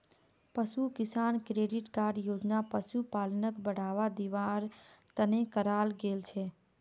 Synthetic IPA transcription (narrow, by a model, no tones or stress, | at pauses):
pəsukisankɾeɖiʈkaɾɖjod͡ʒnapəsupalənəkbəɽ̤aʋad̪iʋaɾt̪ənekəɾalɡelt͡ʃʰɛ